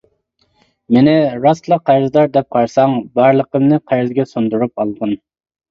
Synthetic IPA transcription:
mɪnɪɾɑslˠəqːæɾzd̪ɑɾd̪ɛp̚qʰɑɾsɑŋbɑɾlˠəqəmnɨqʰæɾzɡʲɛsund̪uɾup̚ɑlˠd̪ɨn

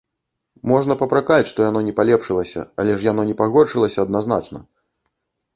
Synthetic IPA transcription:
mɔʐnɐpɐpɾakat͡sʲʂt̪ɔjanɔnʲɛpalʲɛpʂɨlˠɐsʲɐ̰ɐlʲɛʂjanɔnʲɛpaɣɔrʂɨlˠɐsʲɐːd̪nazna̰t͡ʂnɐ

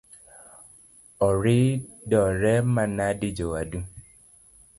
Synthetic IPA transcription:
ɔɾi | dɔɾɛmãnãdid͡ʒowadu

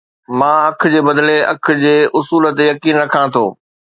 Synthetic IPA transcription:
mãːɐkʰd͡ʑeːbɐd̪leɐkʰʊ̆d͡ʑeːʔʊsuːlət̪ejɐkiːnɾɐkʰãt̪ʰo̰ː

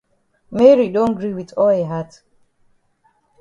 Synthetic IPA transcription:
mɛɹidõnɡɹiwiðɔleɦat

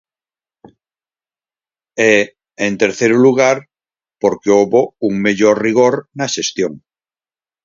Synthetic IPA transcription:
e | ent̪e̞ɾθeɾuluɣ̞aɾ | po̞ɾkeoβouŋmeʎoɾriɣ̞oɾnaʃest̪joŋ

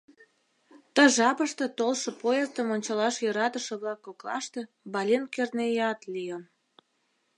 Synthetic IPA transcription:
t̪əʒɑpəʃt̪et̪olʃɤ̆pojezt̪ə̆monʲt͡ɕɑlɑʃjøɾɑt̪əʃə̆βlɑkːoklɑ̰ʃt̪e | bɑlʲenkernejɑt̪lijəm

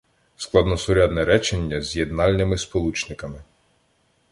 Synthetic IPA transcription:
sklˠɑd̪nɔsʊɾʲad̪nɛɾɛt͡ʃenʲːɐzʲjed̪nɑlʲnɪmɪspɔlˠut͡ʃnɪkɐmɪ

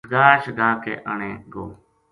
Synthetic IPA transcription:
ɡaːʃɡaːkḛːʔəɳẽːɡoː

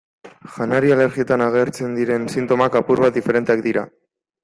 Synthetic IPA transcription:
xanaɾiale̞ɾɣie̞t̪anaɣ̞e̞ɾt͡se̞nd̪iɾe̞nsint̪o̞makapuɾβat̪̚d̪ife̞ɾe̞nt̪eak̚d̪iɾa

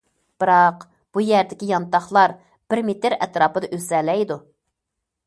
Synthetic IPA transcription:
b̥ɨɾɑq | b̥ujæɾd̪ɪkʲijɑnt̪ɑχlˠɑɾ | b̥ɪɾmet̪ɪɾɛ̰t̪ɾɑːpɨd̪ɑʔøsɛlɛjd̪u

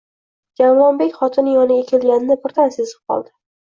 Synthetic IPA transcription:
d͡ʒaɾɒnbekʲχɒt̪ʰɪnɪjɒnɪɡʲakʲʰe̞lɡʲanɪnɪpʊɾt̪ʰansezɨp̚qʰɒ̰lˠd̪ɪ̥

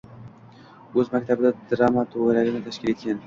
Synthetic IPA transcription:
ozmak̚ʲt̪ʰabd̪ad̪ɾɑmɑt̪ʰoɣalaɾɪnɪt̪ʰaʃkʲilet̪̚kʲan

